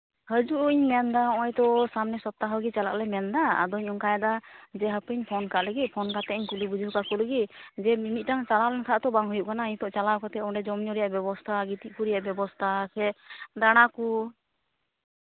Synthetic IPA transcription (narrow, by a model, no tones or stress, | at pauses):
həd͡ʒuʔuiɲmɛnd̪aɔ̃ʔɔjt̪ɔsamnɛsɔt̪ːaɦɔwɡit͡ʃala̰ʔ̚lɛmɛnd̪aa̰d̪ɔiɲɔŋkajad̪ad͡ʒɛɦəpəɲpʰɔnkaʔləɡit̪̚pʰɔnkat̪ɛʔɲkulibud͡ʒʱiɦkakuləɡid͡ʒɛmimit̪̚ʈaŋt͡ʃalalɛnsʰaʔt̪ɔbaŋɦujuʔkanaiɲt̪ɔʔt͡ʃalawkɔt̪ɛɔɳɖɛd͡ʒɔmɲɔɾɛjaʔbjɛbɔst̪ʰaɡit̪iʔkuɾijaʔbɛbɔst̪ʰasɛd̪aɽ̃aku